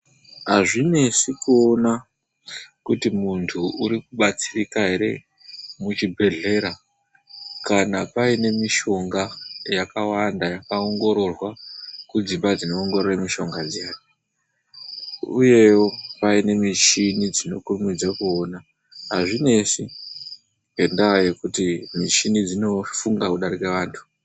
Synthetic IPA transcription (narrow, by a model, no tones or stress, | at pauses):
ɦaʐine̞sikuona | kutimuntʰuuɾikuɓat͡sirikaɦe̞ɾe̞̰ | mut͡ʃibʱe̞ɮe̞ɾa | kanapaine̞miʃo̞ŋɡajakawandajakaoŋɡo̞ɾo̞rwakud͡zimbad͡zino̞ːŋɡo̞roramiʃo̞ŋɡad͡zijaːjo | uje̞wopaine̞mit͡ʃinid͡zino̞kurumid͡zakuoːna | ɦaʐine̞ʂi | e̞ndaje̞kutimit͡ʃinid͡zino̞fuŋɡakuɗaɾikeʋaːntʰu̥